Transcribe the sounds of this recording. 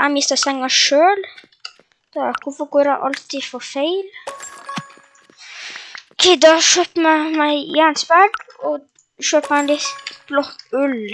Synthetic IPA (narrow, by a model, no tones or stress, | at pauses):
amɪst̪əsɛŋːɑʃøːl | d̪̥ɑkʰʊfɔɡoːɾaʔɑlt̪ifɔfeɪl | kʰɛd̪ɑʃøːpmɛmæɪjænsbæɖɔ | ʃøːpanlɪt̪lɔkʉl